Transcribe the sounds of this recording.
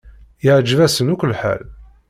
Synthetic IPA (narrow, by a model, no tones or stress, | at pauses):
jəʕd͡ʒvæsənukʷəlːħa̰l